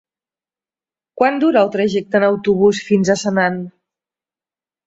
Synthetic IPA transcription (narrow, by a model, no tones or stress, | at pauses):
kwand̪uɾəːlˠt̪ɾaʒɛk̚t̪ənəwt̪uβ̞usfinzəsənan